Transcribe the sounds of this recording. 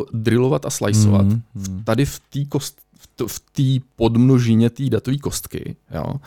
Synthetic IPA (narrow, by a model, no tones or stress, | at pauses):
dɾɪlo̞vat̪asla̰jso̰va̰t̪ft̪adɪft̪iːkost̪ | fft̪iːpo̞dmnoʒɪɲɛt̪iːdat̪oviːko̞st̪kɪ̰jo̰ː